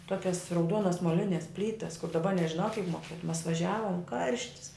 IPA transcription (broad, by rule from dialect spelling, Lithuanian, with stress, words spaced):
ˈtuɔkʲɛs rɐʊˈduɔnɐs moːˈlʲɪnʲɛs ˈpʲlʲiːtɐs kʊr dɐˈbɐ nʲɛʒʲɪˈnɐʊ kʲiɛk moːˈkʲiɛtʊm mɐs ʋɐˈʒʲæːʋoːm ˈkɐrʲʃʲtʲɪs